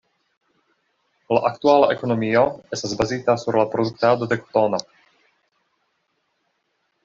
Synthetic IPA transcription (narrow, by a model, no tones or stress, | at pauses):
laʔakt̪ualaʔeko̞no̞mio̞e̞staszbazit̪asuɾlapɾod̪uk̚t̪ad̪o̞d̪ekt̪ono